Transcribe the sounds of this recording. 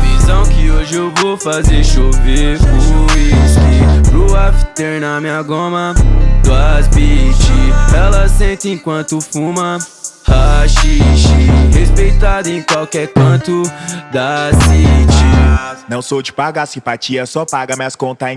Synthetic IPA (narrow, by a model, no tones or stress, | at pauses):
vizɐ̃w̃kɪoʒɪewvofazeɾʃoveʊiskipɾʊaft̪eɾnɐmĩɐɡõmɐd̪ʊazbit͡ʃiɛlɐsẽnt̪ɪẽkwɐ̃nt̪ʊfũmɐhaʃiʃihespejt̪ad̪ʊẽj̃kwawkɛɾkɐ̃nt̪ʊd̪azbit͡ʃinɐ̃w̃sod͡ʒɪpaɡasĩpat͡ʃiɐsɔpaɡɐmɐskõnt̪ã